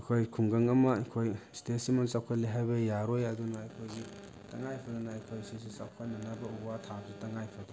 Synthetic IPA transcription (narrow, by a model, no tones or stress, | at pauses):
kʰojkʰuŋɡɐŋɐmɐkʰojstesimansawkʰaliɦajbɐjaɾojɐdunaːjkʰojɡi | taŋajpʰadɐnaːjkʰojsisisawkʰananɐbɐuwatʰazitaŋajpʰɐdɔ